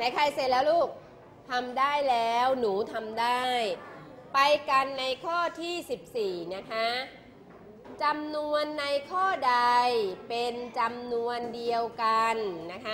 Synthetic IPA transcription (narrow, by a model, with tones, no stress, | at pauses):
na˧˩jkʰa˧jseː˨˩la˧luː˥˩k̚ | t̪ʰa˧mdaː˥˩jlɛː˦˥wnuː˩˦t̪ʰa˧mdaː˥˩j | pa˧jka˧nːa˧jkʰɔː˥˩t̪ʰiː˥˩si˨˩p̚siː˨˩na˦˥kʰa˦˥ | t͡ɕa˧mnu˧ənːa˧jkʰɔː˥˩da˧jpe˧nt͡ɕa˧mnu˧əndi˧əwka˧nna˦˥kʰa˦˥